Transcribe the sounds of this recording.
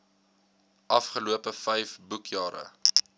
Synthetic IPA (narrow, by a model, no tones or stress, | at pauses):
ʔɐfχəluəpəfɛjfbukʰjɑːɾə̰